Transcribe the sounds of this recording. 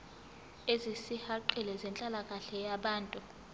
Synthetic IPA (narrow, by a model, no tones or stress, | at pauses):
ezisihaǃilɛzɛnt͡ɬʼalakʼaɬɛjaɓaːntʼu